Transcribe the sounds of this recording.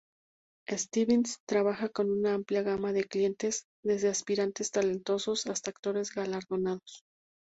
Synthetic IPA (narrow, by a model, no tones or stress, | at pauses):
e̞st̪iβenst̪ɾaβaxako̞nunaampljaɣamaðe̞klje̞nt̪e̞z | ðe̞zðe̞aspiɾant̪e̞st̪ale̞nt̪o̞so̞sast̪aːkt̪o̞ɾe̞zɣalaɾðo̞naðo̞s